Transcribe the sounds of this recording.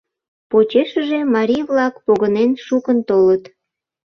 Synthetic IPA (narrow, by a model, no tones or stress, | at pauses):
pot͡ɕeʃəʒemɑɾʲijβlɑkpoɣənenʃukənt̪olət̪